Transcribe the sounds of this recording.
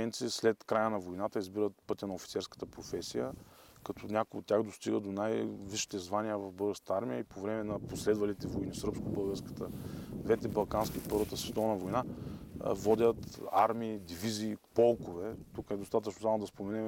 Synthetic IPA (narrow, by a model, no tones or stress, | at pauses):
ɛnt̪sislɛt̪kɾajənɐvojnat̪əizbiɾət̪̚pɤt̪ʲənɐofit̪sɛɾskə̥t̪əpɾofɛsijəkɐt̪ʰɔnʲakʊjo̰t̪ːʲjaxd̪ost̪iɡəd̪onajviʃi̥t̪ɛzvanijəvɐfbɤlˠɡəɾsət̪əaɾmʲijəipovɾɛmɛnɐposlɛd̪vɐlit̪ɛvojnisɾpskobɤlˠɡəɾskə̥t̪əd̪vɛt̪ɛbɐlˠkanskʲiopɤɾvət̪əsvɛt̪ɔvnɐvojna̰ | vɔd̪ʲət̪aɾmiːd̪iviziːpɔlˠkovɛt̪ukɛd̪ost̪at̪ət͡ʃnoamd̪ɐspomɛnɛm